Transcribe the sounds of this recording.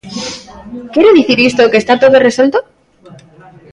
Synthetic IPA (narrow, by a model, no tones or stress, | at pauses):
kjeɾeðiθiɾist̪oke̞ːst̪at̪o̞ðo̞re̞swe̞lt̪o